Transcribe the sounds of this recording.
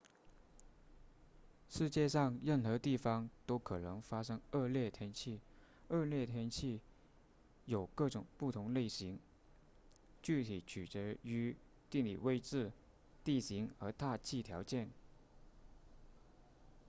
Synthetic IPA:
ʂɻ̩˥˧t͡ɕjɛ˥˧ʂɑ˥˧ŋɻə˥˩nxɤ˧˥t̪i˥˩fɑ˥ŋt̪o˥ʊkʰɤ˨˩nɤ˧˥ŋfa˥ʂɤ˥ŋə˥˧ljɛ˥˩t̪ʰjɛ˥nt͡ɕʰi˥˩ | ə˥˧ljɛ˥˩t̪ʰjɛ˥nt͡ɕʰi˥˩ | jo˨˩ʊkɤ˥˩ʈ͡ʂʊ˨˩ŋpu˥˩t̪ʰʊ˧˥ŋle˥˩ɪɕi˧˥ŋ | t͡ɕy˥˩t̪ʰi˨˩t͡ɕʰy˨˩t͡ɕə˧˥y˧˥ | t̪i˥˩ŋlḭ˨˩we˥˧ɪʈ͡ʂɻ̩˥˧ | t̪i˥˩ɕi˧˥ŋə˧˥t̪a˥˧t͡ɕʰi˥˩t̪ʰjɑ˧˥ʊt͡ɕjɛ˥˩n

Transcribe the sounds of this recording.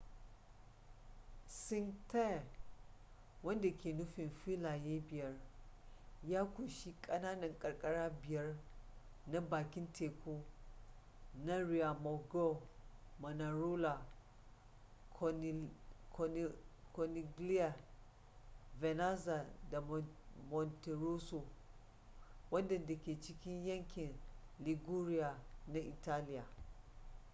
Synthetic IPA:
sɪ˦ŋta˦˨ | wɐ˦nda˨kʲeː˨nʊ˦ɸɪ˨nfiː˦laː˨jeː˦bɪ˨jɐ˦r | jaː˦kʷu˨ʃi˦kʼɐ˦naː˦nɐ˨ŋkʼɐ˨rkʼɐ˦ɽaː˦bɪ˨jɐ˦r | na˦baː˨kʲɪ˦ntʰeː˨kʷu˦ | na˦ɾi˨ja˨mɔ˨ɡo˦mɐ˨na˨ɾu˦la˨ | ko˨ni˨ɡli˦ja˨ | vɛ˨na˦za˨da˨mɔ˨nte˨ɾu˦su˨ | wɐ˦ndɐ˨nda˨kʲe˨t͡ʃɪ˦kʲɪ˦ɲjɐ˦ŋkʲɪ˨nli˨ɡu˦ɾɪ˦ja˨na˦ʔi˨ta˦lɪ˦ja˨

